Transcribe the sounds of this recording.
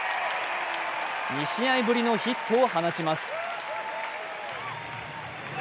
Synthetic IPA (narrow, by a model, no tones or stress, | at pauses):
ɲʲiɕiaibɯ̟ɾʲino̞çit̪ʰːoːhanat͡ɕimasɨ̥